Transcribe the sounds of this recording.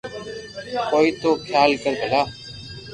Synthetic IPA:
koːiːt̪oːkʰjaːlkəɾɡʱəlaː

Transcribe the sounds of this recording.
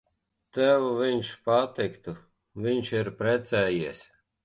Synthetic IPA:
t̪æwuvʲinʲʃpat̪ɪkt̪u | vʲiɲʲʃiɾpɾɛt̪sæːjiɛsʲ

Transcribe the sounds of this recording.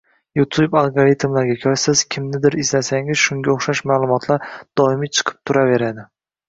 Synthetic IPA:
jut̪ʰubalˠɡoɾit̪ʰmlaɾɡʲakʲʰɒɾsɪzkʲʰɪmnɪd̪ɪɾɪzlasaŋɪz̥ʃʊŋɡʲaoχʃaʃmaːlˠʊmɒt̪ʰlaɾd̪̥ɒɪmit͡ʃʰɨ̥qʰɨ̥p̚t̪ʰʊɾave̞ɾad̪ɪ

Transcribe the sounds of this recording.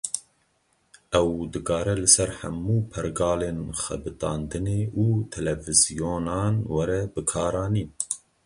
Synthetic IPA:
ɛwd̪ɨkʰɑːɾɛlɨsɛɾhɛ̰mːuːpʰɛɾɡɑːleːnxɛ̰bɨt̪ɑːnd̪ɨneːʔuːt̪ʰɛlɛvɨzijoːnɑːnwɛɾɛbɨkʰɑːɾɑːniːn

